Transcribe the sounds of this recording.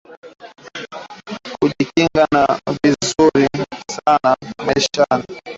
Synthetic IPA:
kuʄikiŋɡanavizuɾisanamɛʃana

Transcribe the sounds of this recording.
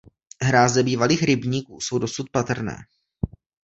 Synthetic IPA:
ɦɾaːzdɛbiːvaliːxɾɪbɲiːkuːso̞wdo̞sut̪̚pat̪r̩nɛ̰ː

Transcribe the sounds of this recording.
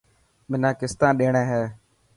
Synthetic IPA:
mɪnãːkɪst̪ãːɗeːɳẽːɦɛː

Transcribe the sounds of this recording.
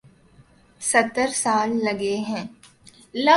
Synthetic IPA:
sɐt̪ːəɾsaːlːɐɡeɦɛ̃ː | lɐ

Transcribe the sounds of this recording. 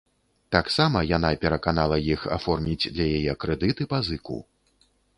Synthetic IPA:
t̪aksamɐjan̪apʲɛɾɐkanalˠɐjixa̰fɔrmʲid͡zʲd̪lʲɐjajɛkɾɛd̪ɨt̪ɨpazɨkṵ

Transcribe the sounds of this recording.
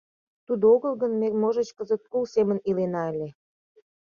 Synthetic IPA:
t̪ud̪oɣəlɣənmemoʒə̆t͡ɕkəzə̆t̪̚kulsemənilenɑelʲe

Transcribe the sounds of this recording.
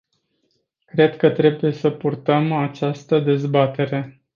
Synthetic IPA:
kɾe̞d̪kət̪ɾe̞buje̞səpurt̪əmat͡ʃast̪əd̪e̞zbat̪e̞ɾe̞

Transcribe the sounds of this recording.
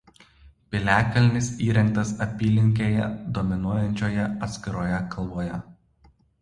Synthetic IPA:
pʲɪlʲæːkɐlʲnʲɪsiːɾʲɛŋk̚t̪ɐsɐpʲiːlʲɪŋʲk̬ʲeːjɛ̰d̪ɔmʲɪnuɔjɛnʲt͡ʃʲoːjɛɐt̪sʲkʲɪɾoːjɛkɐlˠboːjɛ

